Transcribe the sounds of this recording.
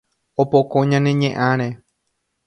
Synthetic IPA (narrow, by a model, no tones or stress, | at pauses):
opokõɲãnẽ̞ɲẽʔãɾ̃e